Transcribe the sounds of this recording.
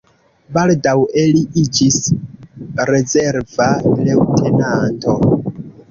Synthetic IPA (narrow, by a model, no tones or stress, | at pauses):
baldawe̞liʔid͡ʒis | ɾe̞zeɾvalewtʰe̞nanto̞